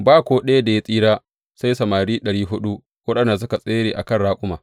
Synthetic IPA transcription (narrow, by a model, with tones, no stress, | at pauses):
baː˦kʷoː˨ɗɐ˦ja˦da˨ja˦sʼiː˦ɽaː˦ | sa˦jsɐ˨maː˨ɽiː˦ɗɐ˨ɽiː˦ɦʊ˦ɗu˦ | wɐ˦ɗɐ˨nda˨s̬ʊ˦ka˨sʼeː˦ɽeː˨ʔa˨kɐ˦nɽaː˦kʷʼʊ˦maː˨